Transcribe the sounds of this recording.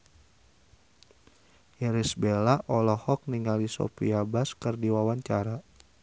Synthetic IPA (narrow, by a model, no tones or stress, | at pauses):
iɾisbelaʔɔlɔhɔk̚niŋalisɔ̰pḭabaskɨrdiwawaɲt͡ʃaɾa